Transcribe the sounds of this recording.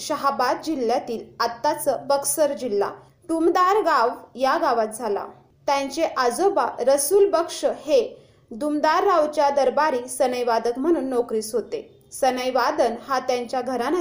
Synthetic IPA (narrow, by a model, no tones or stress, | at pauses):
ɕəɦabad̪̚d͡ʑiljat̪iːlat̪ːat͡səbəksəɾd͡ʑilːa̰ | d̪umd̪aɾɡaʋjaɡaʋat̪̚d͡zʱala̰ | t̪jãɲt͡ɕeʔad͡zoba̰ɾəsuːlbəkʂəhe | d̪umd̪aɾːaʋt͡ɕjad̪əɾbaɾiːsənəjʋad̪əkm̤əɽ̃uːnːokɾiːsɦot̪e | sənəjʋad̪ənhat̪jãɲt͡ɕjaɡʱəɾan